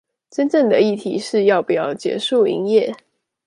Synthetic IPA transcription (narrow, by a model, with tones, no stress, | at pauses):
ʈ͡ʂə˥˦nʈ͡ʂə˥˩ŋd̪ə˩i˥˩t̪ʰḭ˧˥˦ʂɻ̩˥˧jɑ˥˩ʊpu˨˩jɑ˥˨˩ʊt͡ɕjɛ̰˧˥ʂu˥˩ḭ˧˥ŋjɛ˥˨